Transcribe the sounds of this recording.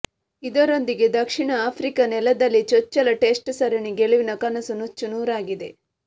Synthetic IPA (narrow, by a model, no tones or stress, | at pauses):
id̪ɐɾo̞nd̪iɡe̞d̪ɐkʂiɳɐaːpʰɾikɐnɛlɐd̪ɐlːit͡ʃɔt͡ʃːɐlɐʈe̞ːsʈsɐɾɐɳiɡeɭuʋinɐkɐnɐsɐnut͡ʃːunuːɾaːɡid̪e̞